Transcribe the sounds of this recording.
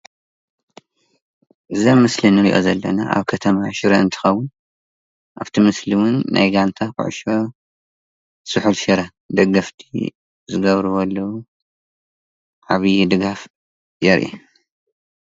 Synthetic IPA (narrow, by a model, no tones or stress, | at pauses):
ʔɨzamɨslinɨɾiʔozɐlːɐna̰a̰βkʰɐt̪ʰɐmaʃɪɾɐɨnt̪ʰɨ̥xɐwːʊn | ʔa̰βt̪ʰimɨsliwʊnːa̰jɡant̪ʰakɨ̰ʕʊ̰ʃo | sɨħulʃɐɾɐ | d̪ɐɡɐft̪ʰḭ | zɨɡɐβɾɨwɐlːɐwu | ʕaβɨjd̪ɨɡaf | jɛɾʔḭ